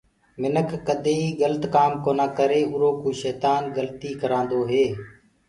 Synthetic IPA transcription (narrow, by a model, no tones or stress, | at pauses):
mɪnəkʰːəd̪ʱeːiːɠələt̪kaːmkoːnãːkəɾeːɦʊɾoːkuːʃɛːt̪aːnɡəlt̪iːkəɾãːnd̪oːɦeː